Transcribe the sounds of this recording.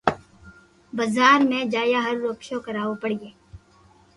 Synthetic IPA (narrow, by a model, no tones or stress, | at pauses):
bɐzaːɾmẽd͡ʒaːjaːɦɐɾːoːkʃokɐɾaːopɐɽɪjeː